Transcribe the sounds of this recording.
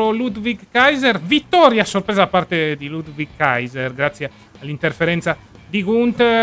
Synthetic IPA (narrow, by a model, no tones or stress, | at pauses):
olud̪viɡkːajzɛɾvit̪ːɔɾjasːoɾpɾɛzapːart̪ed̪ilud̪viɡkːajzɛɾɡɾat̪sːjaː | lːint̪eɾfɛɾɛnt̪sa | d̪ikunt̪